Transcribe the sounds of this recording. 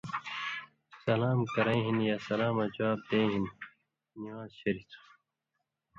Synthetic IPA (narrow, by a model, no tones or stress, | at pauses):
sɐlaːmkɐɾẽːɦinjaːsɐlaːmɐd͡ʑwaːb̚d̪eːɦinː | iwãːzɕɐɾit̪ʰu̥